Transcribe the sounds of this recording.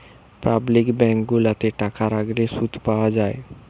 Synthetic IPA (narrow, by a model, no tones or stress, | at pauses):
pablɪkbɛ̃ːŋk̚ɡʊlat̪eʈakʰaɾaɡɾesut̪ʰpad͡ʒaːḛ